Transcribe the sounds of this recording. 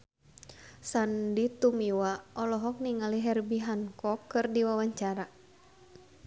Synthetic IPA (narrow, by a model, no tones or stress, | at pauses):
sandit̪umiwaʔɔlɔɦɔk̚niŋaliɦɛrbiɦankɔkːɨrdiwawaɲt͡ʃaɾa